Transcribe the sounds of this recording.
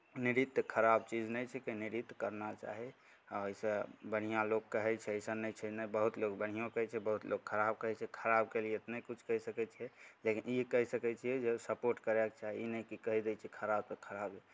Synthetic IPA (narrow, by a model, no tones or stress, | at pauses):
niɾit̪ːkʰəɾabt͡ʃid͡ʒnɛjt͡ʃʰɛkeniɾit̪ːkəɾnat͡ʃa̰ɦi | oisə̃bəɽ̤̃ijãlokːəɦɛt͡ʃʰɛəjsənɛjt͡ʃʰɛnɛjbəɦut̪lokbəɽ̤ijõkəɦɛt͡ʃʰɛbəɦut̪lʔokʰəɾab̚kəɦɛt͡ʃʰɛkʰəɾab̚kelieet̪nekut͡ʃʰkəɦisəkɛt͡ʃʰɛlekinikəɦisəkɛt͡ʃʰiɛd͡ʒesəpoɾʈkəɾɛkt͡ʃaɦiinɛjkikəɦid̪ɛt͡ʃʰɛkʰəɾabsəkʰəɾabi